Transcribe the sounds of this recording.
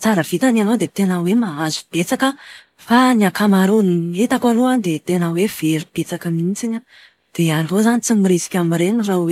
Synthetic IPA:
t͡saɾəv̥it̪ananod̪et̪enəwemaazub̥et͡sakə | faniakamaɾuniet̪akaluand̪et̪enəwev̥eɾib̥et͡sakamint͡siɲə | d̪̥eanrozanit͡simiɾesi̥kʲamiɾenirawe

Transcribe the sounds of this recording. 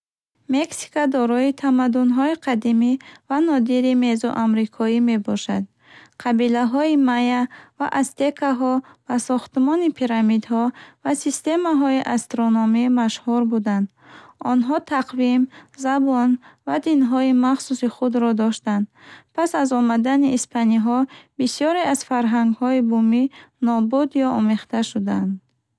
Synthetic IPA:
me̞ksi̥kad̪ɔɾɔit̪ʰamad̪unɦɔiqʰad̪imivanɔd̪iɾime̞zɔ̰ʔamɾikʰɔime̞bɔʃa̰d̪ | qʰabilaɦɔimajava̰ʔast̪e̞kʰaɦɔb̥asɔχt̪mɔnipʰiɾamid̪hɔvasist̪e̞maɦɔiʔast̪ɾonɔmimaʃhuɾbud̪and̪ | ɔnɦɔt̪ʰaqvimzabɔnvad̪inɦɔimaχsusiχud̪ɾɔd̪ɔʃt̪and̪pʰasazɔmad̪aniʔːspʰaniɦɔbisijɔɾeaz̥faɾɦaŋɡhɔibuminɔbud̪jɔʔɔmeχt̪aʃud̪and̪

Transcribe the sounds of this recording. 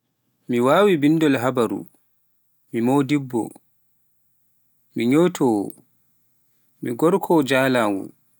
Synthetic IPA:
miwaːwibinːdɔlɦabaɾṵ | mimodibːɔ̰ | miɲotʰɔwɔ̰ | miɡɔɾkʰɔd͡ʒaːlaːwṵn

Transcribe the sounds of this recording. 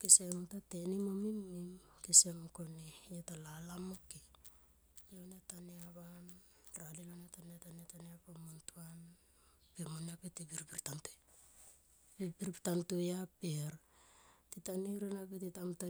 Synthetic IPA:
kisemtatenimomimːimkisemkonijatalalamoki | jenetaneaβan | ɾalilonetaneataneataneapamontuan | pemonapetibiɾpiɾtantu | bipiɾpitantujapeɾ | titaniɾenapetitamta

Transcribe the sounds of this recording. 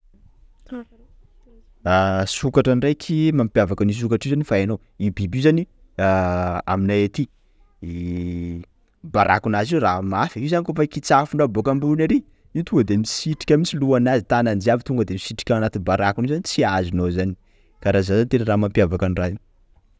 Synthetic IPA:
asukaʈ͡ʂanirajkʰimampjavakanis̬ukaʈ͡ʂiuzanifaenow | ibibizani | aa̰minaet̪i | baɾʔa̰kunaziramafiiuzanikofakit͡safuɳɖ͡ʐabokambulunaɾi | it̪uŋɡəd̪emisiʈ͡ʂi̥kʲamisiluanazit̪anand͡ʒiavit̪uŋɡəd̪emisiʈ͡ʂi̥kʲaanat̪inbaɾakunuzanit͡siazinozani̥ | kaɾazazanit̪enəɾaːmampiavakanrai

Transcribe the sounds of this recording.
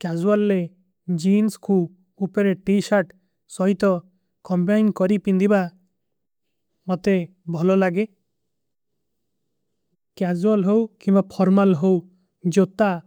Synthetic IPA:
kad͡ʒualːe | d͡ʒinskʰu | upɔɾeʈisaɾʈ | sɔɦit̪ɔ | kɔmbajnkɔɾipind̪iba | mot̪e | bʱɔlɔlaɡe | kad͡ʒualɦowkĩbapʰɔɾmalɦow | d͡ʒot̪a

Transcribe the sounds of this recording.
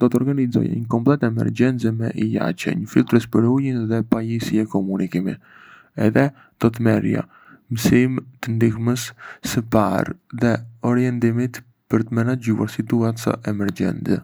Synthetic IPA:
d̪̥ɔt̪ɔɾɡanizɔ̰ja̰ɲəkɔmplˠɛt̪ɛmɛ̰ɾd͡ʒɛnt͡sɛmɛ̰ʔija̰t͡ʃɛ̰ɲəfilˠt̪ɾɛspəɾujinðɛpajisiɛkɔmunikimḭ | ɛ̰ðɛ | d̪̥ɔt̪mɛɾja̰ | msimt̪ənd̪ixməssəpa̰ɾðɛɔɾiɛnd̪imit̪ | pəɾt̪əmɛnaɟua̰ɾsit̪uasə̰ʔɛmɛɾd͡ʒɛ̰nt͡sɛ̰

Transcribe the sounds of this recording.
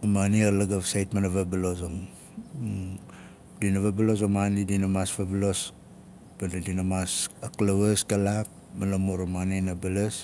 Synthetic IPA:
manialaɡaβsajtmanaβabilosoŋ | dinaβabalos̬omanidinamasvablos | banadinamasaklaweskalak̚ | manamuɾamaninabalas

